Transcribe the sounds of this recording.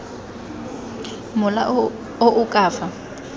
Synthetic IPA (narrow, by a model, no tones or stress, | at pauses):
mʊla̰ | oʔʊkʼaːfa